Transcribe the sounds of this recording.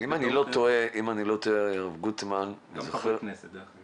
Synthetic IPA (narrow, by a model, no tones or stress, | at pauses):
imanilo̞t̪oeʔimanilot̪oeaʁavɡut̪mannizoχeʁ